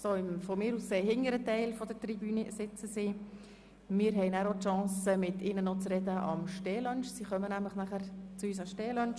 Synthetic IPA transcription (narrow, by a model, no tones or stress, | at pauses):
soːɪmfɔmɪːɾusːeːhɪŋəɾətɛɪlfɔd̥̪əɾtribyːnisɪt͡səsɪ | mɪːɾɦɛɪnæːɾotʃɑ̃ːsəmɪtɪnənot͡srɛd̪əʔɑ̰mʃteːlœnʃsiχœmənæmləχnæχəɾt͡suyːsɑʃteːlœnʃ